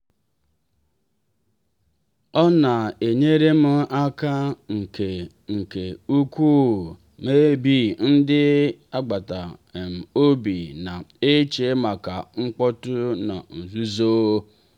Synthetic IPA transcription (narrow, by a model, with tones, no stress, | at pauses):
ɔ˦na˨e˨ɲe˦ɾe˦m̩˦a˦ka˦ŋ̩˨ke˨ | ŋ̩˨ke˨u˦kʷu˦˨ | me˦bi˦˨n̩˦dɪ˦a˦ɡ͡ba˨ta˨m̩˨o˦bi˨na˨e˦t͡ʃe˨˦ma˨ka˨ŋ͡m̩˦k͡pɔ˦tʊ˦na̰˨n̩˨zu˦zo˦